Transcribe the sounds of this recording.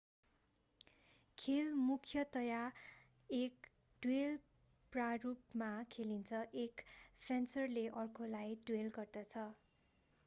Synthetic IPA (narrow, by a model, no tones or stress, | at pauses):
kʰelmukʰjʌt̪ʌja | ek | ɖ̥wel | prarup̚makʰelint͡sʰʌʔekpʰensʌrleʔʌrkʰolajɖwelɡʌrd̪ʌt͡sʰʌ